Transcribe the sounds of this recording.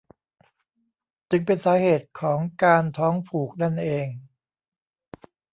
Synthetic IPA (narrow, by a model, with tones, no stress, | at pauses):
t͡ɕɯ˧ŋpe˧nsaː˩˦heː˨˩t̪̚kʰɔː˩˦ŋkaː˧nt̪ʰɔː˦˥ŋpʰuː˨˩k̚na˥˩nʔeː˧ŋ